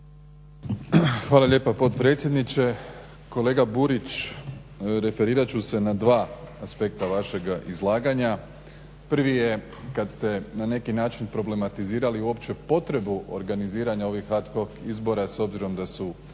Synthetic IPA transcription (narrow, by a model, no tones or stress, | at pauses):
xʋaːlˠaʎe̞ːpapo̞t̪pɾe̞t̪sʲje̞d̪nit͡ɕe̞ | ko̞le̞ːɡabuɾit͡ɕ | ɾe̞fe̞ɾiːɾat͡ɕuse̞nad̪ʋaːaspe̞k̚t̪aʋaʃe̞ɡizlˠaːɡaɲa | pɾ̩ʋije̞ | kat̪st̪e̞nane̞kinaːt͡ʃinpɾo̞ble̞mat̪iziːɾaliuo̞pt͡ɕe̞po̞t̪ɾe̞buʔo̰ɾɡaniziːɾaɲao̞ʋixat̪koɡizbo̞ɾaso̞bziɾo̞md̪asu